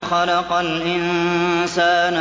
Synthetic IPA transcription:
xɑlɑqɑlʔɪnsaːn

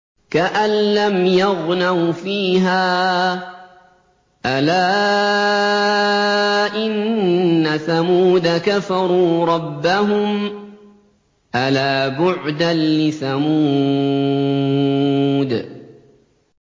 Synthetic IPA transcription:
kaʔanlamjɑɣnawfiːɦaː | ʔalaː | ʔɪnːasamuːd̪akafɑɾˤuːɾˤɑbːaɦʊm | ʔalaːbʊʕd̪anlɪθamuː | d̪

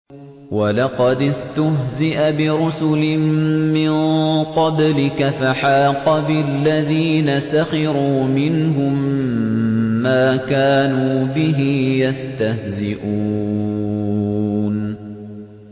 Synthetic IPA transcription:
walɑqɑd̪ɪst̪ʊhzɪʔabɪɾʊsʊlɪmmɪqɑblɪkafaħaːqɑbɪlːaðiːnasaxɑɾuːmɪnɦʊm | aːkaːnuːbɪɦɪjast̪ahzɪʔuː | n

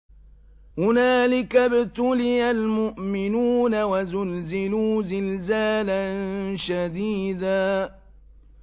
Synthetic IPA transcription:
hʊnaːlɪkabɪt̪ʊlɪjalmʊʔmɪnuːnawazʊlzɪluːzɪlzaːlanʃad̪iːd̪aː

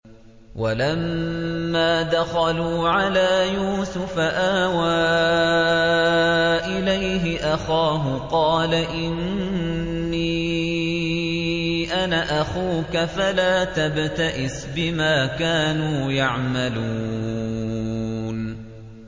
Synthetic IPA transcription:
walamː | aːd̪axaluːʕalaːjuːsʊfaʔahwa | ʔɪlajɦɪʔaxaːɦʊqɑːlaʔɪnː | i | ʔanaʔaxuːkafalaːt̪abt̪aʔɪsbɪmaːkaːnuːjaʕmaluː | n

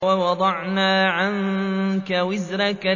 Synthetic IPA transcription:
wawɑd̪ˤɑʕnaːʕaŋkawɪzɾɑka

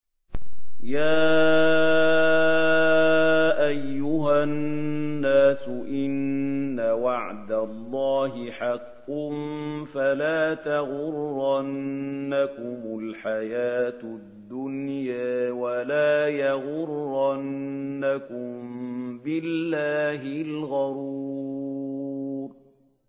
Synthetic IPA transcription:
jaː | ʔajːʊɦaː | aːsʊʔɪnːawɑʕd̪alˤːɑːɦɪħɑqːʊnfalaːt̪aɣʊrːanːakʊmʊlħajaːt̪d̪ːʊnjaːwalaːjɑɣʊrːanːakʊmmbɪllːaːɦɪlɣɑɾuː | ɾ

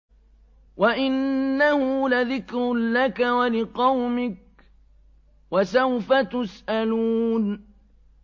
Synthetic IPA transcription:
waʔɪnːahʊlaðɪkɾlakawalɪqɑwmɪk̚ | wasawfat̪ʊsʔaluːn

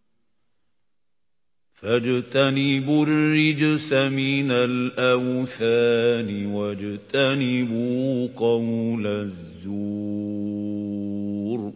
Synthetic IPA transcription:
fad͡ʒt̪anɪbʊrɪd͡ʒsamɪnalʔawθaːnɪwad͡ʒt̪anɪbuqɑwlaðːuː | ɾ

